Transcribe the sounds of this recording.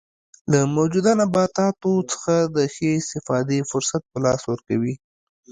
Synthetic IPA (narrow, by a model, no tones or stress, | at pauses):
ləmawd͡ʒud̪ɑnabɑt̪ɑt̪ot͡sə̥xad̪əxeɪst̪ɪfɑd̪efʊɾsat̪̚pəlɑswəɾkawi